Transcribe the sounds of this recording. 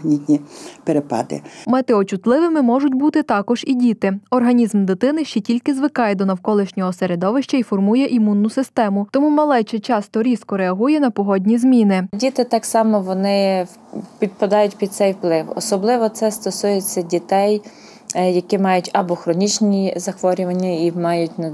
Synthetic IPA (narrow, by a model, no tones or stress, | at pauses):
nʲit̪ʲnʲipeɾepɑ̰d̪ɪ̰mɛt̪eɔt͡ʃʊt̪lˠɪʋɪmɪmɔʒʊtʲbut̪ɪt̪ɑkɔʒ̥idʲit̪ɪɔrɦɐnʲizmd̪ɪt̪ɪnɪʃt͡ʃɛtʲilʲkɪzʋɪkɑjɛd̪ɔnɐwkɔlˠɪʃnʲɔɦɔseɾed̪ɔʋɪʃt͡ʃɐifɔrmujɛʔimunːʊsɪst̪ɛmʊt̪ɔmumɐlˠɛjt͡ʃɛt͡ʃɑst̪ɔɾʲiskɔɾeɐɦujɛnɐpɔɦɔdʲnʲizmʲinɪdʲit̪ɪt̪ɑksɑmɔʋɔnɪ | pʲid̪̚pɐd̪ɑjʊtʲpʲid̪̚t̪sɛjwplˠɪwɔ̰sɔblˠɪʋɔt̪sɛst̪ɔsujet͡sʲːɐdʲit̪ɛj | jɐkɪmɑjʊtʲɐbɔxɾɔnʲit͡ʃnʲizɐxʋɔɾʲʊʋɐnʲːɐimɑjʊtʲn